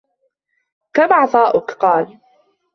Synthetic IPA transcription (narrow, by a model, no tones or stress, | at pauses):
kamɑʕt̪ˤɑːʔʊkqɑːl